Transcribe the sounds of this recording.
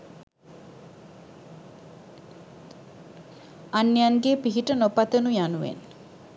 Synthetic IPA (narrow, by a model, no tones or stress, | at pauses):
anːejanɡepiɦiʈənopat̪ənujanuʋḛn